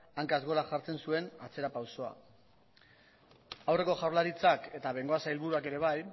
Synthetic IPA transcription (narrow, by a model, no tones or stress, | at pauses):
aŋkazɣo̞ɾaxaɾt͡se̞nsue̞nat͡se̞ɾapawso̞a̰ | awre̞ko̞ʝawɾlaɾit͡sake̞t̪aβe̞ŋɡo̞asailβuɾuake̞ɾe̞β̞aj